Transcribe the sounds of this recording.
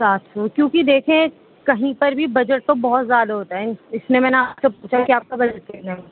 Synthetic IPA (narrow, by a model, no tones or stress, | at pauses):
saːt̪ʰɦokjõːkid̪eːkʰẽ | kɐɦĩpɐɾbʱibɐd͡ʒəʈ̚t̪õbɔɦɔt̪zjaːd̪aɦoːt̪aɦɛɪsnemɛ̃ːneaːpsepuːt͡ʃʰakiaːp̚kabɐd͡ʒəʈ̚kɛːɾnea